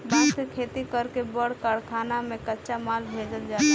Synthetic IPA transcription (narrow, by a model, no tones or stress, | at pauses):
bãːt̪kekʰet̪ikəɾkebəɽ̤kəɽkʰanamẽkətːʃamalbʱed͡ʒəld͡ʒaː